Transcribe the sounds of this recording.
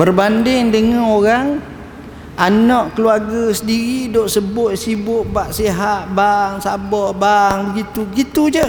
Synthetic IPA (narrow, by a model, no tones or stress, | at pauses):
bərbandɪŋdəŋãnoɾaŋ | anɔʔkəluarɡəsədiɾidoʔsəbʊt̪̚sibʊʔ̚baʔsiɦat̪̚baŋsabɔhbaŋbəɡit̪ubəɡit̪ud͡ʒə